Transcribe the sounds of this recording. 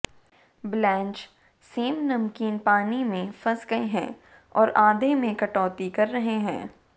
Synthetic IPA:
blɛ̃ːnt͡ʃ | seːmnɐmkiːnpaːnimẽfɐsɡɐeɦɛ̰̃ː | ɔ̰ːɾʔaːd̪emẽkɐʈɔːt̪ikɐɾːɐɦeɦɛ̃ː

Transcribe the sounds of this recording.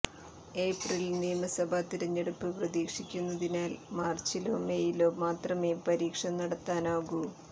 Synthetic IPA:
e̞ːprilniːmɐsɐbʱat̪iɾɐɲːeɽupːɨprɐðiːkʂikʲːunːɐðinaːlmaːrt͡ɕilo̞ːmejilo̞ːmaːt̪rɐme̞ːpɐɾiːkʂɐnɐɽɐt̪ːaːnaːɣu

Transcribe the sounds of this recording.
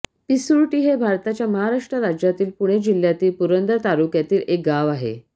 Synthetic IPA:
pisuɾʈiːɦebʱaɾt̪at͡ɕjaməɦaɾaʂʈɾəɾad͡ʑjat̪iːlpuɽ̃ed͡ʑil̤jat̪iːlpuɾənd̪əɾt̪aɾukjat̪iːlek̚ɡaʋaɦḛ

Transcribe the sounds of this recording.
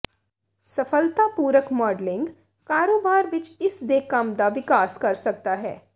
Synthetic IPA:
sɐfəlt̪apuːɾəkmɔːɖlɪ̃ŋɡ | kaːɾoːbaːɾʋɪt͡ʃɪsd̪eːkamd̪aʋɪkaːskɐɾsɐk̚t̪aɦɛ̰ː

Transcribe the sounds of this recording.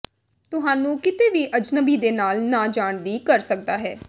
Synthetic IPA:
t̪ʊɦãːnũːkɪt̪eːʋiːʔəd͡ʒnəbiːd̪eːnaːlnãːd͡ʒaːɳd̪iːkəɾsək̚d̪aːɦɛ̰ː

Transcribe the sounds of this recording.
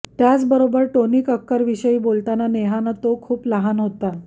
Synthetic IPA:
t̪jat͡sbəɾobəɾʈoniːkəkːəɾʋiɕəiːbolt̪ananeɦanat̪okʰuːpləɦanɦot̪a

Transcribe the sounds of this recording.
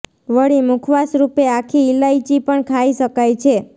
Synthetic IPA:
ʋəɭimukʰʋasɾupeakʰiːlait͡ʃipəɳkʰaiʃəkajt͡ʃʰe

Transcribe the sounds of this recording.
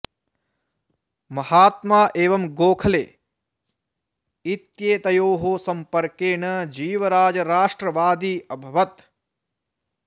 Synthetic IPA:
mɐhaːt̪maːʔeːʋɐmɡoːkʰɐlḛː | it̪jeːt̪ɐjoːɦoːsɐmpɐɾkeːɳɐd͡ʒiːʋɐɾaːd͡ʒɐɾaːʂʈɾɐʋaːd̪iːɐbʱɐʋɐt̪

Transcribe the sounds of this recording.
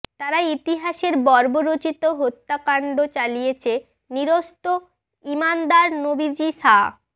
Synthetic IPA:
t̪aɾait̪iɦaʃeɾbɔɾboɾot͡ɕit̪oɦot̪ːakaɳɖot͡ɕalijet͡ɕʰe | niɾost̪o | imand̪aɾnobid͡ʑiʃa

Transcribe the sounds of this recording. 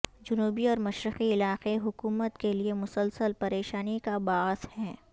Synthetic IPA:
d͡ʒʊnuːbiɔːɾmɐʃɾɪqiɪlaːqeɦʊkuːmət̪keliemʊsəlsəlpɐɾeːʃaːnikabaːzhɛː

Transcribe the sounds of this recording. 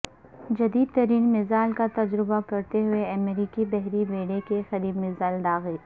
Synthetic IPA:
d͡ʒɐd̪iːd̪̚t̪ɐɾiːnmɪzaːlkat̪ɐd͡ʒɾɪbakɐɾt̪eɦʊeɐmeɾiːkibɛɦɾibeːɽekexɐɾiːb̪mɪzaːlɖ̪aːɣeː

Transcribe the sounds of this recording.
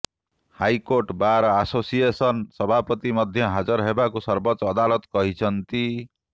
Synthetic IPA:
hajkoɾʈbaɾasosijesʌnsʌbʱapʌt̪imʌd̪ʱjʌɦad͡zʌɾɦebakusʌɾbʌt͡ʃːd̪alʌt̪kʌɦit͡sʰʌnt̪i

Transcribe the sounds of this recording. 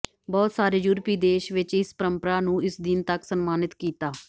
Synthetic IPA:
bɔːt̪saːɾeːjuːɾpiːd̪eːʃʋɪt͡ʃɪspəɾəmpəɾaːnũːɪsd̪ɪnt̪əksənmaːnɪt̪kiːt̪aː

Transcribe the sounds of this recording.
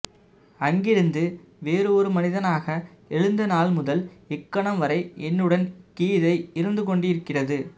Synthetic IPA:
ɐŋɡɪɾɯnd̪ɯ | ʋeːɾɯɔɾɯmɐnɪðɐnaːɣɐ | ɛɻɯnd̪ɐnaːlmʊðɐlɪkːɐɳɐmʋɐɾɐɪɛnːɯɽɐnkiːðɐɪɪɾɯnd̪ɯkɔɳɖɪɪɾɯkːɪrɐðɯ

